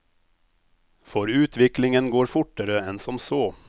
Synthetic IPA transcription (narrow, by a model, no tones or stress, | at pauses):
fɔɾʉːt̪ʋɪklɪŋənɡoːɾfʊʈːəɾəɛnsɔmsoː